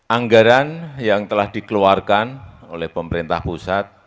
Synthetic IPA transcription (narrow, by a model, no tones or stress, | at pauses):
ʔaŋɡaɾanjaŋt̪əlahd̪̥ikəluarkanolɛhpəməɾint̪a̰hpusat̪̚